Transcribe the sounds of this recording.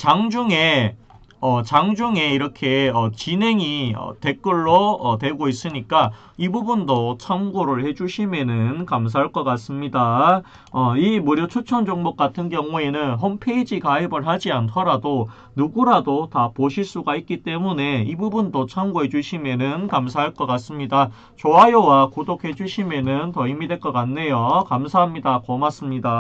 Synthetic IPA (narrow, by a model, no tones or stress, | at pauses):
t͡ɕaŋd͡ʑuŋe̞ | ʌt͡ɕaŋd͡ʑuŋe̞iɾʌkʰe̞ʌt͡ɕinɦe̞ŋiʌ̰te̞k͈ɯɭːoʌtwe̞ɡois͈ɯɲik͈a | ibubundot͡ɕʰamɡoɾɯɭhe̞d͡ʑuɕʰimenɯnkams̬ʰaɭk͈ʌk͈as͈ɯmɲida | ʌimuɾjot͡ɕʰut͡ɕʰʌnd͡ʑoŋmok͈atʰɯnkjʌŋue̞nɯnɦompʰe̞id͡ʑikaibɯɭɦad͡ʑiantʰʌɾado | nuɡuɾadotapoɕʰiɭs͈uɡait̚k͈it͈e̞mune̞ibubundot͡ɕʰamɡuɦe̞d͡ʑuɕʰime̞nɯnkamsʰaɦaɭk͈ʌk͈as͈ɯmɲida | t͡ɕoɦajowakodokʰe̞d͡ʑuɕʰime̞nɯntʌimidwe̞ɭk͈ʌk͈anːe̞jokamsʰaɦamɲidakʌmas͈ɯmɲida